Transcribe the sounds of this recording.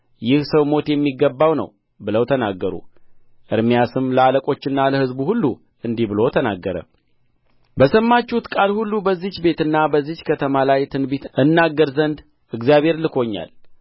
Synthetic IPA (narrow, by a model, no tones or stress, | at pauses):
jɪhsəwmo̞t̪jɛmːiɡːəbːawnə̰w | bɨləwt̪ʰənaɡːəɾṵ | ʔɨɾmijasɨmləaləkʼo̞t͡ʃːɪnːaləhɨzbuhulːu | ɨnd̪ihbɨlo̞t̪ʰənaɡːəɾə̰ | bəsəmːat͡ʃːut̪kʼalhulːubəzːit͡ʃbe̞t̪ɨnːabəzːit͡ʃkʰət̪ʰəmalajt̪ʰɨnbit̪ʔɨnːaɡəɾzənd̪ | ʔɨɡzjaβhe̞ɾlɨkʰo̞ɲːa̰l